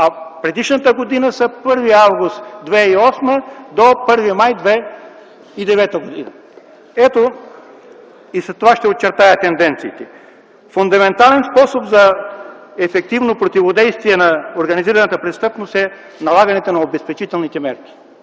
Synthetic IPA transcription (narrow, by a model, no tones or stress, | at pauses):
ɐpɾɛd̪iʃnət̪əɡod̪inəsɐpɤɾviavɡʊst̪d̪vɛiɔsməd̪opɤɾvimajd̪vɛ | id̪ɛvɛt̪əɡod̪ḭnɐ̰ | ɛt̪o | isɛt̪ːovaʃt̪ɛott͡ʃɛɾt̪ajət̪ɛnd̪ɛnt̪siːt̪ɛ | fond̪ɐmɛnt̪alɛnspɔsopzɐ | ɛfɛk̚t̪ivnopɾot̪ivod̪ɛjst̪viɛnɐoɾɡɐniziɾɐnɐt̪əpɾɛst̪ɤpnosɛ | nɐlˠaɡɐnɛt̪ənɐobɛspɛt͡ʃit̪ɛlˠnit̪ɛmɛɾk̟ʲi̥